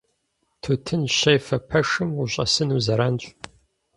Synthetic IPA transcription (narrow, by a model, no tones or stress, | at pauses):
tʰutʰɨnɕɐjfɐpʰɐʂɨmuɕʼɐ̰sɨnuzɐɾaːnɕʼ